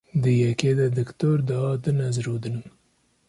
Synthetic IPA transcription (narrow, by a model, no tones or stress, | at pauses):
d̪əjaked̪ad̪əkt̪oɾd̪aːd̪ənazɾod̪ən